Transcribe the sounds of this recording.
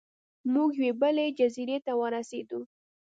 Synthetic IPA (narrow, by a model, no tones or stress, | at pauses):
muɡjwebəled͡ʒaziɾet̪awəɾased̪u